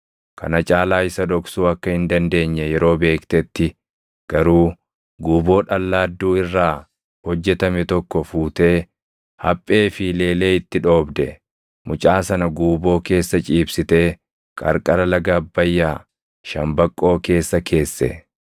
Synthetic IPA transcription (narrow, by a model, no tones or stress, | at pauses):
kɐ̰nɐt͡ʃʼaːlaːɪsɐd̪ɔksuːɐkːɐhɪnd̪ɐnd̪e̞ːɲːɛjɛɾo̞ːbe̞ːkt̪ɛt̪ːɪ | ɡ̥ɐɾuː | ɡuːbo̞ːᶑɐlːaːd̪ːuːɪrːaː | hɔd͡ʒːɛt̪ɐmɛt̪ɔkːɔfuːt̪e̞ː | hɐpʼːe̞ːfɪle̞ːle̞ːɪt̪ːɪᶑo̞ːbd̪ɛ | mʊt͡ʃʼaːsɐnɐɡuːbo̞ːke̞ːsːɐt͡ʃʼiːbsɪt̪e̞ː | kʼɐ̰ɾkʼɐɾɐlɐɡaːbːɐjːaː | ʃɐmbɐkʼːo̞ːke̞ːsːɐkʰe̞ːsːɛ̰